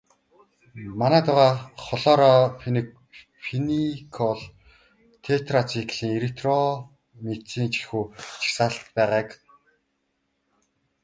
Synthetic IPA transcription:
manæːt̪ʊʁaːχɔɮɔːɾɔn | finikʰɔɮ | t̪ʰet̪rat͡sikɮiːŋeɾit̪rɔ | met͡siːnt͡ɕi̥xuːt͡ɕʰi̥xsaːɬt̪pæːʁaːk

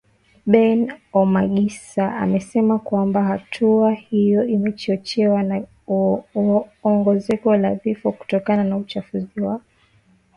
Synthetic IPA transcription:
ɓɛnɔmaɠisaa̰mɛsɛmakwambahatʰuahijɔimɛt͡ʃɔt͡ʃɛwana | ɔŋɡɔzɛkɔlavifɔku̥tɔkananaut͡ʃafuziwakɔ

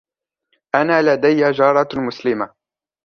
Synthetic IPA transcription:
ʔanaːlad̪ajːad͡ʒɑːɾˤɑmʊslɪma

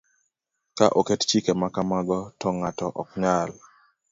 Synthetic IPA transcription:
kaʔokett͡ʃikemakamaɡɔtɔŋatɔʔɔkɲal

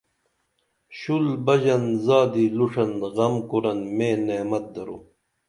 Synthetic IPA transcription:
ɕulbɐʑɐnzaːd̪iːluʂɐnɣɐmkuɾɐnmẽːneːmɐt̪̚d̪ɐɾuː

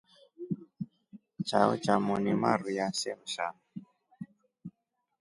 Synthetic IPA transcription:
t͡ʃaɔ̰t͡ʃamɔnimaɾujasɛm̩ʃa̰m

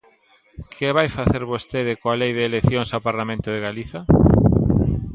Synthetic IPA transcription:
kʰɪβajfaθeɾβost̪eðɪkoalejðeːleθjoŋsawpaɾlamẽnt̪ʊð̞eɣaliθɐ

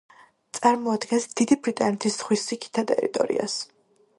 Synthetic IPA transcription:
t̪sʼaɾmɔad̪ɡɛnsd̪̥id̪ibɾit̪ʼanɛt̪ʰisz̥χwisikʰi̥t̪ʰat̪ʼɛ̰ɾḭt̪ʼɔ̰ɾḭa̰s

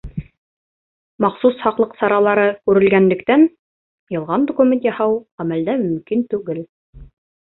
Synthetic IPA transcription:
mɑqsushɑqlˠɤqsɑɾɑlˠɑɾɤkʉɾɘ̆lɡænlɘ̆kt̪æn | jɤ̆lˠʁɑnd̪okumʲent̪jɑhɑwʁæmæld̪æmɵ̆mkint̪ʉɡɘl

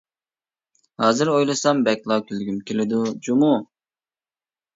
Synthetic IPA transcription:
hɑːzɨɾojlˠɨsɑmbɛkʲlˠɑkʲʰylɡʲymkʲelɪd̪ud͡ʒumu

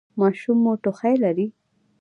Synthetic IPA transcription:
mɑʃumːoʈoxajlaɾi

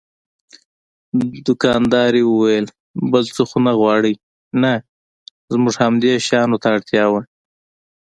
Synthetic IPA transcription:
d̪ʊkɑnd̪ɑɾewəwajəl | bəlt͡soxonaɣwɑɽəj | na | zmuʐhamd̪eʃɑnot̪aːɽt̪jɑwa

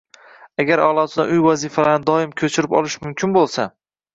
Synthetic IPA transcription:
aɡʲaɾɒlˠɒt̪ɪd̪a̰ʔʊjvazifalaɾnɪd̪ɒɪmkʲʰɵt͡ʃʰɪɾɪpɒ̰lɪʃmʊmkʲʰɪnbolˠsa

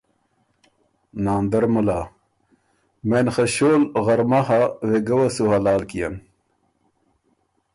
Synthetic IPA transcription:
naːnd̪ɐɾmulaː | menχɐɕoːlɣɐɾmɐɦaweɡɐwɐsuɦɐlaːlkijɐ̰n

